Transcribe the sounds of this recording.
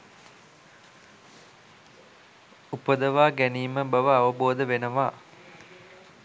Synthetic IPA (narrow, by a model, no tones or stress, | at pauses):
upəd̪əʋaːɡæniːməbɐʋəaʋəboːd̪əʋenəʋaː